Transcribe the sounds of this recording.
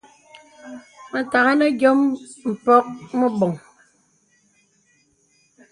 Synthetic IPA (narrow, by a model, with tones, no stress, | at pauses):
mə˨ta˨ɣa˦nə˦ɡjɔ˦mm̩˨pɔ˦k̚mɔ˦bɔ˨ŋ